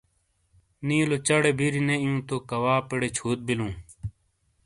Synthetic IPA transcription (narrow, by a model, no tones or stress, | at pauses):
nĩːlot͡ɕɐɽebʱiɾineijũːt̪okɐwaːpeɽet͡ɕʰoːt̪̚bilũː